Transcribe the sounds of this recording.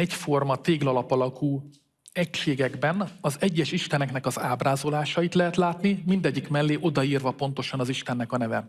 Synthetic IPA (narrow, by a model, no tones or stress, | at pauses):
ɛcfo̞rmɒt̪eːɡlɒlɒpɒlɒkuː | ɛcʃeːɡɛɡbɛnɒzɛɟːɛʃiʃt̪ɛnɛknɛkɒzaːbraːzo̞laːʃɒit̪lɛɦɛt̪laːt̪nimind̪ɛɟːikmɛlːeːʔo̞d̪ɒiːrvɒpo̞n̪t̪o̞ʃɒnɒziʃt̪ɛnːɛkɒnɛvɛ̰